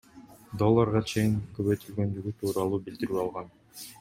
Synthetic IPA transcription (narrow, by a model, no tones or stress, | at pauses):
d̪o̞lˠːɑɾʁɑt͡ʃʰe̞jiŋkøβøjt̪ylɡø̞nd̪yɡyt̪ʰuːɾɑlˠuːbild̪iɾyːɑlˠʁɑn